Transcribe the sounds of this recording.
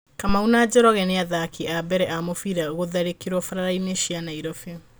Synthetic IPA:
kamaunad͡ʑɔɾɔɣɛneaðakʰiʔabɛɾɛʔamofiɾaoɣoðaɾekiɾwɔfaɾaɾaineʃianaiɾɔfe

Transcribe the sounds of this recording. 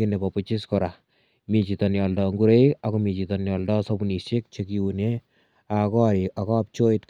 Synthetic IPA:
inepɔput͡ʃiskɔɾa | mit͡ʃitɔnjɔldɔŋɡuɾeakɔmit͡ʃitɔnjɔldɔsɔbunisek̚t͡ʃekiune | akɔɾiakɔp̚t͡ʃoitk

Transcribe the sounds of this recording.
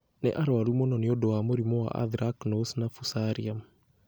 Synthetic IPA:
nḛʔaɾɔaɾumɔnɔneodɔwamoɾimɔwa̰ʔa̰ðɾaknosnafusaɾiam

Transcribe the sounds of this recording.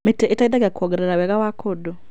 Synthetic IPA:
meteʔetaidaɡakɔɡeɾeɾawɛɣawakʰodo

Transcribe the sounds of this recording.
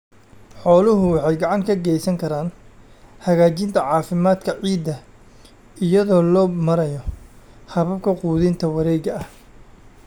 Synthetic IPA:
ħɔːlʊɦʊwɑħɑjɡɑʕɑŋkʰɐɡɛjsɐŋkʰɐɾaːn | hɐɣaːt͡ʃɪnt̪ʰɐʕɑːfɪmaːd̪kʰɐʕiːd̪ːɐ | ɪjɐðɔːlɔːbmɐɾɐjɔ | hɐβɐb̚kʰɐquːðɪnt̪ʰɐwɐɾɛːɡɐɐh

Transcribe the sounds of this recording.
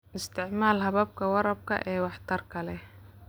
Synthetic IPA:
ʔɪst̪ʰɪʕmaːlɦɐβɐb̚kʰɐwɑɾɐb̚kʰɐ̰ʔɛːwɑħt̪ʰɐrkʰɐlɛ

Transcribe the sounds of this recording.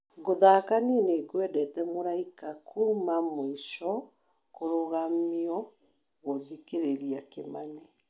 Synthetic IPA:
ɣoðakanienekwɛdɛtɛmoɾaikakʰuːmamoiʃɔ | koɾoɣamiɔ | ɣoðikeɾeɾiakḛmane

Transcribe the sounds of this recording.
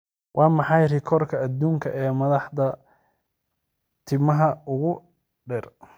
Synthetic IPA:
wʔɑːmɑħɑjrɪkʰɔrkʰɐːd̪uːŋkʰɐʔɛːmɐðɑħd̪ɐ | t̪ʰɪmɐɦɐʊɣʊ | ɖɛr

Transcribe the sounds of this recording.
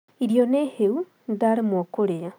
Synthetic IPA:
iɾijoneheu | ndaɾmwokoɾea

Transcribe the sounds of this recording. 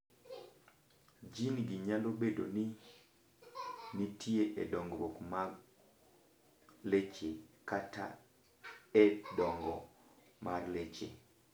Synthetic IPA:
d͡ʒinɡiɲalobedoni | nitʰieʔɛdɔŋɡbokmaɡ | let͡ʃekata̰ | ɛdɔŋɡɔ | marlet͡ʃḛ

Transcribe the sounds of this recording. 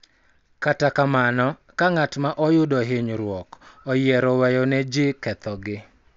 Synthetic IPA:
katakamanɔ | kaŋatmaʔɔjʊdɔɦɪɲɾwɔkɔjɪɛɾɔwɛjɔnɛd͡ʒɪkɛt̪ɔɡɪ

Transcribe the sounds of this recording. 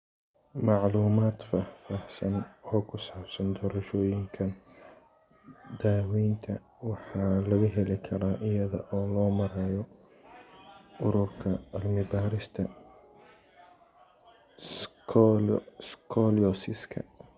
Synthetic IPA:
mɑʕluːmaːd̪fahfahsɐnɔːkʰʊsaːbsɐnd̪ɔːɾɐʃɔːjɪŋkʰɐn | d̪aːwɛjnt̪ʰɐ | wɑħɑːlɐɣɐɦɛlɪkʰɐɾaːʔɪjɐðɐʔɔːlɔːmɐɾɛːjɔ | ʊɾʊrkʰɐɐlmɪbaːɾɪst̪ʰɐ | skʰɔlɔsɪskʰɐ̰

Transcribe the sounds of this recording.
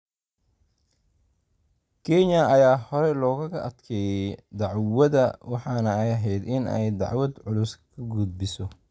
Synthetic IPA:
kʰɛɲɐɐjaːhɔɾɛlɔːɣɐɣɐʔɐd̪kʰɛːjɛjd̪ɑʕwɐðɐwɑħɑːnɐɐjɐɦɛjd̪ɪnɛ̰jd̪ɑ̰ʕwɐd̪ʕʊlʊskʰɐɡuːd̪̚bɪsɔ

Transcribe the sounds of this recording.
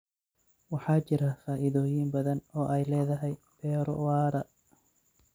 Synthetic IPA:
wɑħɑːt͡ʃɪɾɐfaːʔɪðɔːjɪmbɐðɐnɔːʔɛjlɛːðɐɦɛj | b̥ɛːɾɔ̰wɑːɾɐ

